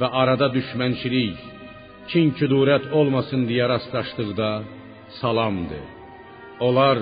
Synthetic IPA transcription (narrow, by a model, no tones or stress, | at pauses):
væʔɑɾɑd̪ɑd̪yʃmænt͡ʃʰilij | cʰincʰyd̪uːɾæt̪ʰolˠmɑsɯnd̪ijɑɾɑslˠɑʃt̪ɯʁd̪ɑ | sɑlˠɑmd̪ɯ̰ | olˠɑɾ